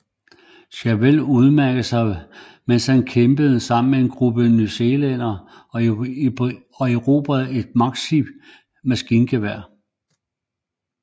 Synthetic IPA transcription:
ɕæʋeluð̞ˠmæɐ̰ɡ̥əðsɑ̈ɪ | menshænkʰemb̥əð̞̩ˠəsɑ̈m̰n̩mee̝nɡ̥ʁub̥ənyse̝ːlenɐ | ɒeʁo̝ːb̥ʁæðˠe̝d̥̚mɑ̈ɡ̥̚sib̥ | mæsɡ̥iːnɡ̥ʰeʋæɐ̰

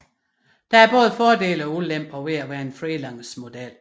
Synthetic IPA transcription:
d̥ɑ̈æɐb̥ɔ̽ːð̞̩ˠfɒːd̥e̝̰ːləɒ̽ulem̰b̥ɒʋe̝æʋæːɐe̝nfʁilɑ̈ŋ̰smo̝d̥el̰

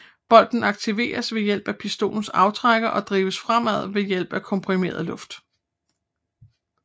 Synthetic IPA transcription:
b̥ɒ̽l̰d̥n̩ɑ̈ɡ̥̚t͡sʰiʋe̝̰ːɐsʋe̝jel̰b̥æpʰisd̥o̝̰ːln̩sɑ̈ʊt͡sʰʁaɡ̥ɐʔɒ̽d̥ʁiːʋəsfʁam̰æð̞̰ˠʋe̝jel̰b̥ækʰɒ̽mpʰʁime̝̰ːɐ̰ðˠlɔ̽fd̥

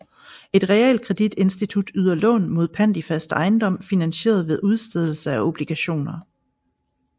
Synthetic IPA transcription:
e̝d̥ʁɛɛld̚kʰʁɛd̥id̥e̝nsd̥it͡sʰud̥yð̞̰ˠɐlɔ̰̽ːnmo̝ð̞̰ˠpʰæn̰d̥ifæsd̥ɑ̈ɪnd̥ɒ̽m̰finænɕe̝̰ːɐð̞ˠʋe̝ðˠuð̞ˠsd̥eð̞ˠl̩səæo̝b̥liɡ̥æɕo̝̰ːnɐ

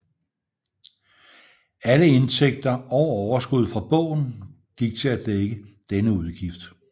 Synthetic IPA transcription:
æləe̝nsʰeɡ̥̚d̥ɐɒʊɒʊɐsɡ̥uð̞̰ˠfʁɑ̈b̥ɔ̰̽ʊ̰n̩ | ɡ̥iɡ̥̚t͡sʰe̝læd̥eɡ̥əd̥enəuð̞ˠɡ̥ifd̥

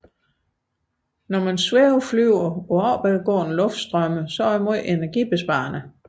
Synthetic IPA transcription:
nɒmænsweʊflyʊɐɒ̽ɒʊb̥ɛðˠɡ̥ɔ̰ːn̩lɔ̽fd̥sd̥ʁœməsɒimo̝ð̞̰ˠe̝næɐɡ̥ib̥e̝sb̥ɑ̰̈ɐnə

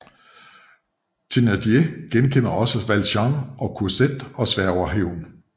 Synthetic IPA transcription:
t͡sʰe̝næd̥jeɡ̥enkʰen̰ɐɒ̽səʋælɕɑŋɒ̽kʰuɐsed̥ɒ̽sʋæɐ̰ɒʊ̰ɐɦeʊ̰n

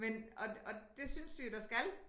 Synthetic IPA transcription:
menɒ̽ɒ̽d̥e̝synsd̥ujod̥ɑ̈sɡ̥æl

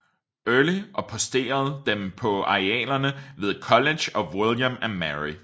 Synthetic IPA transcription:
œɐliʔɒ̽pʰɒ̽sd̥e̝̰ːɐð̞̩ˠd̥empʰɒ̽ɑ̈iɛ̰ːlɐnəʋe̝ðˠkʰɒ̽le̥ɕɒ̽wiljəmænmæɹi

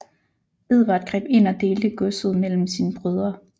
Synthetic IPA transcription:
b̥e̝ð̞ˠʋɑd̥̚ɡ̥ʁɛ̰ːb̥e̝n̰ɒ̽d̥e̝ːld̥əɡ̥ɔ̽sð̩ˠmel̰m̩sinəb̥ʁøð̞ˠɐ

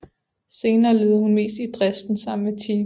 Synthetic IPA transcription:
se̝ːnɐːleːðˠəhunme̝̰ːsd̥id̥ʁɛsd̥n̩sɑ̈m̰nmet͡sʰiː

